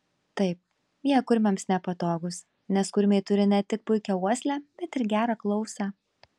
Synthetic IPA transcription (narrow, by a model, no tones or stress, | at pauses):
t̪ɐɪp̚ | jiɛkʊɾʲmʲɛmsnʲɛpɐt̪oːɡʊs | nʲɛskʊɾʲmʲeːɪt̪ʊɾʲɪnʲɛt̪ʲɪk̚pʊɪkʲɛuɔsʲlʲæːb̥ʲɛt̪ɪɾɡʲæːɾɑklˠɔʊsʲɑ